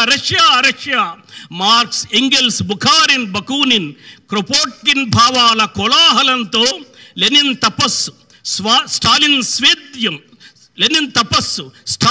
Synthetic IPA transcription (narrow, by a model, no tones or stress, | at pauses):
ɾɐʂjaːɾɐʂjaːmaːɾksiŋɡelsbukʰaːɾinbɐkuːninkɾopoːʈ̚kinbʱaːʋaːlɐkɔlaːɦɐlɐnt̪oːlenint̪ɐpɐsu | sʋaːsʈʰaːlinsʋiːd̪jɐm | lenint̪ɐpɐsusʈʰa